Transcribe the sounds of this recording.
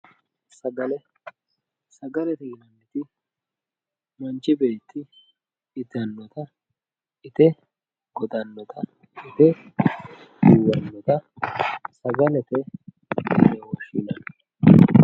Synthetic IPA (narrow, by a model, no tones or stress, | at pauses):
sɐɡɐlɛ | sɐɡɐlɛt̪ɛɪnɐnːɛt̪ɪ | mɐnt͡ʃɪbeːt̪ːɪː | d̪ɐnːɔt̪ɐ | ɪt̪ɛ | ɡ̥ɔd̪ʼɐnːɔt̪ʰɐ | ɪt̪ɛ | ɡuwɐnːɔt̪ɐ | sɐɡɐlɛt̪ɛ̰ | nɛwɔʃḭnɐn